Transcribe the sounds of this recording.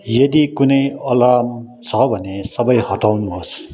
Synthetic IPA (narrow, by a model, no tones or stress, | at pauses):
jʌd̪ikunʌjʌlamt͡sʰʌbʱʌnesʌbʌjhʌʈawnuɦʌs